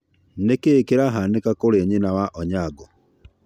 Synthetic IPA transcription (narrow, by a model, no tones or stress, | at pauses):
nekekeɾaɦanekakoɾeɲenawaʔɔɲaɡɔ